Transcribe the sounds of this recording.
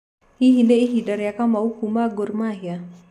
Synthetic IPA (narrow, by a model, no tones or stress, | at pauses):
iɦineiɦidaɾjakamawkumaɡoɾmaɦija